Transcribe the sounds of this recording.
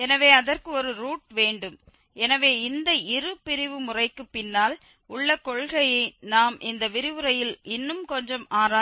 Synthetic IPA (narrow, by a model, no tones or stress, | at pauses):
ɛnɐʋeːɐðɐrkɯɔɾɯɾuːʈ̚ʋeːɳɖɯm | ɛnɐʋeːɪnd̪ɐɪrɯpɪɾɪʋɯmʊrɐɪkːɯpːɪnːaːl | ʊɭːɐkɔɭɣɐjɐɪnaːmʔɪnd̪ɐʋɪɾɪʋɯɾɐjɪlʔɪnːɯmkɔɲd͡ʒɐmaːɾaː